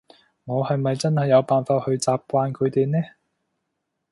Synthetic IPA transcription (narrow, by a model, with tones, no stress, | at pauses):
ŋɔː˨˧hɐ˨jmɐ˨jt͡sɐ˥nhɐ˨jːɐ˨˧wpaː˨nfaː˧t̚hɵ˧ɥt͡saː˨p̚kʷaː˧nkʰɵ˨˧ɥt̪e˨jnɛː˥